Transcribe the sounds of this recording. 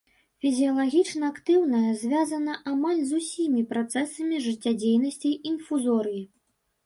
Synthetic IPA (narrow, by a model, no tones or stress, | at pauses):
fʲizʲijɐlˠaɣʲit͡ʂnɐakt̪ɨwnɐjɐzʲvʲazɐnɐʔamalʲzusʲimʲipɾat̪sɛsɐmʲiʐɨt͡sʲːad͡zʲejnɐsʲt͡sʲijʔinfuzɔɾɨji